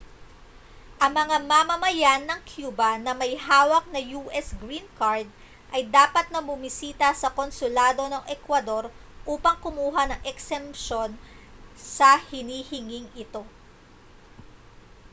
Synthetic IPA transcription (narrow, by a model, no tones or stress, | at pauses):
ʔɐŋmɐŋamɐmɐmɐjanːɐŋkʰjuːbɐnɐmɐjɦaːwɐk̚nɐjuːʔɛsɡɾinkaɹd̪̚ | ʔɐjd̪aːpɐt̪̚nɐbʊmɪsiːt̪ɐsɐko̞nsʊlaːd̪o̞nɐŋʔɛkwɐd̪o̞ɾ | ʔuːpɐŋkʊmuːɦɐnɐŋʔɛksɛmpʃo̞n | sɐhɪniːhɪŋiŋʔɪt̪o̞